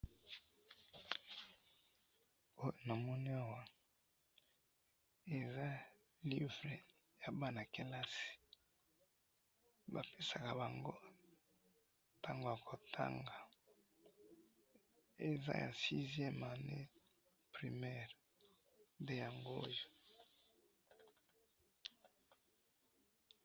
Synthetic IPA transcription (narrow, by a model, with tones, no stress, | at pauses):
o˦jo˨na˨mɔ˦ni˦a˨wa˦ | e˨za˦ | li˦vʁe˨ | ja˨ba˦na˨ke˦la˦si̥˨ | ba˨pe˦sa˨ka˨ba˨ŋɡo˦ | ta˦ŋɡo˨ja˨kʰo˨tʰa̰˦ŋɡa˨ | e˨za̰˦ja̰˨si˦zjɛ˦ma˨ne˦ | pʁi˨mɛ˦ʁ | de˨ja˨ŋɡo˦jo˦